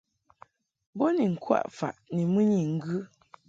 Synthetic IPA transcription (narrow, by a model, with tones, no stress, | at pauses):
bo˦ni˨ŋ̩˨kwa̰˦˨ʔfa̰˨ʔni˨mɨ˦ɲi˨ŋ̩˦ɡʉ˦